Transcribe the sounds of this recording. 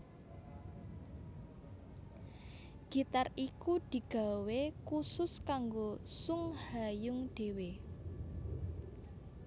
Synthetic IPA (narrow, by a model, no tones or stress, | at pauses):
ɡ̥i̤t̪arʔikud̪̥i̤ɡ̥a̤wekusʊskaŋɡosʊŋhajʊŋɖ̥e̤we